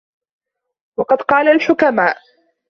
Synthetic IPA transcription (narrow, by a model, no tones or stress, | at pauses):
wɑqɑd̪qɑːlalħʊkamaːʔ